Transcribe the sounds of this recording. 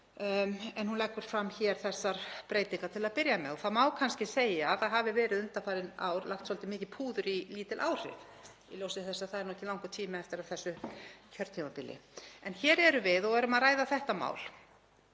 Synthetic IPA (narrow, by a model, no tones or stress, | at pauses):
ɛnhunlɛkʏɾ̥fɾamːçɛːɾ̥θɛsːaɾ̥pɾeːjt̪iŋkat̪ʰɪlaðpɪɾjamɛðɔθaðmaːwkʰanscɪseːjaːðθaðɦaːvɪvɛːɾɪðʏnt̪afaːɾɪna̰wɾlaxt̪sɔlt̪ɪmɪːcɪpʰuːðʏɾiliːt̪ɪlʔaːwr̥ɪ̰v | iljowsɪθɛsaθaðɛɾnuɛcːɪlawŋkʏt̪ʰiːmaɛft̪ɪɾaðθɛsːʏcʰœɾt̪ʰimapɪlːɪ̰ɛnçɛːɾɛɾʏvɪðɔɣɛɾʏmaðraːjðaθɛht̪ama̰ːwl